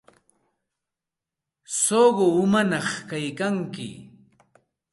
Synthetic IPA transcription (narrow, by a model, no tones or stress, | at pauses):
soɢoʊmanɑχkajkaŋkɪ̰